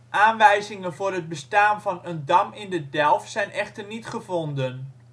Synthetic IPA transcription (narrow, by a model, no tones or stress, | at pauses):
ʔaːnʋɛjzɪŋənvʊːrɦəd̚bəstaːnvɑnəndɑmɪndədɛlˠfsɛjnʔɛχtərnitχəvɔndən